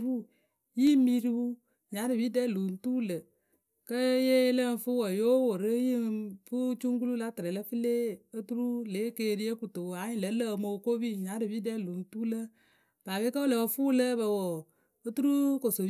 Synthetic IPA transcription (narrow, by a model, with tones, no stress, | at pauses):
u˦˨ | ji˦mi˦ɾi˦u˦ | ɲa˨˦ɾɨ˨bi˦dɛ˦˨lo˨n˦tu˦lə˨ | kə˦je˦lə˦n˦fu˦wə˨jo˦wo˨ɾə˦ji˦fu˦t͡ʃu˦ŋk̬u˦lu˦la˦tɨ˨ɾɛ˨lə˦fɨ˦le˦ə˦tu˦ɾu˦le˨˦ke˧˦˨ɾi˦e˦ku˨to˨a˨˦ɲi˦lə˨˦lə˦˧mo˧ko˦bi˦˨ɲa˨˦ɾɨ˨bi˦dɛ˦˨lo˨n̩˦tu˦lə˦ | b̥a˨be˦kə˦wo˦lə˨ə˧fu˦lə˦bə˧wo˨ | ə˦tu˦ɾu˦ko˨so˨